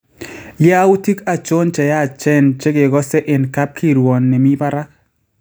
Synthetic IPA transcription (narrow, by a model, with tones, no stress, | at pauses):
jja˦u˦ti˦ka˨t͡ʃo˦nt͡ʃɛ˨ja˦˨t͡ʃɛ˦nt͡ʃe˦ɡe˨ɡɔ˦se˦ʔe˨nka˦p̚kʰi˦˨ɾwɔ˨nːe˨mi˦ba˦ɾa˦